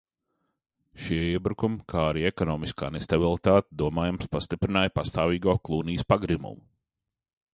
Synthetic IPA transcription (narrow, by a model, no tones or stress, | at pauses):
ʃiɛiɛbɾukumkʰaːɾiekɔnɔːmiska̰ːnest̪abilˠit̪aːt̪d̪uɔmaːjamspast̪ipɾinaːjpast̪aːviːɡoɔklˠuːniːspaɡɾimṵmu